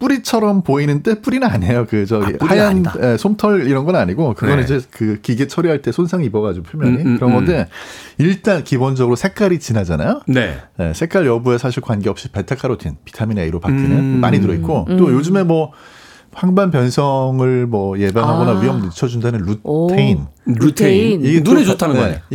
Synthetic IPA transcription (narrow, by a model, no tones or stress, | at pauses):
p͈uɾit͡ɕʰʌɾʌmpoinɯnt͈e̞p͈uɾinɯnaɲe̞jokɯd͡ʑʌeaanesʰomtʰʌɾiɾʌnɡʌnaɲiɡokɯɡʌnnid͡ʑe̞kɯkiɡe̞t͡ɕʰʌɾiɦaɭt͈e̞sʰonsʰaŋibʌɡad͡ʑuɡpʰuɭmjʌuɲikɯɾʌnɡʌndeiɭt͈ankibond͡ʑʌɡɯɾosʰe̞k͈aɾit͡ɕinad͡ʑana̰jonene̞̰sʰe̞k͈aɭjʌbue̞sʰaɕʰiɭkwanɡeʌp̚ɕ͈ipetʰakʰaɾotʰinpi̥tʰamineiɾopak̚t͈inɯnmaɲitɯɾʌit̚k͈ot͈ojod͡ʑɯme̞mwʌ | ɸaŋbanpjʌnsʰʌŋɯɭmʌje̞bjanɦaɡonaijʌmnɯt͡ɕʰʌd͡ʑundanɯnɾuttʰeinɾutʰeiiɡenunet͡ɕotʰanɯnnɡʌe